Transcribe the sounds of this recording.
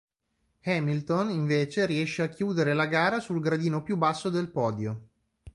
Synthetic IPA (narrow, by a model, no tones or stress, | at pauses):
hɛmilt̪oniɱveːt͡ʃeɾiɛʃːeakjuːd̪eɾelaɡaːɾasulɡɾad̪iːnopjubːasːod̪elpɔːd̪jo